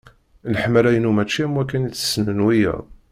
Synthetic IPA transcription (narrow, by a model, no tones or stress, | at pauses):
nəħəmːəlæjənumæt͡ʃːimwækːænit͡sːə̥snənwijə̰ʁ